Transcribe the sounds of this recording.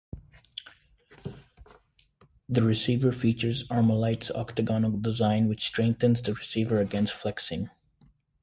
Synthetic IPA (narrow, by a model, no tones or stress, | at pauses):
ðəɹɨsiːvə˞fiːt͡ʃəɹzɑɹməlaɪtsɔ̰ktəɡɑnɪkdɪzãɪ̃nwɪt͡ʃstɹ̥ɛ̃ŋ̚θə̃nzd̪əɹɨsiːvə˞əɡɛ̃nstflɛksɪ̃ŋ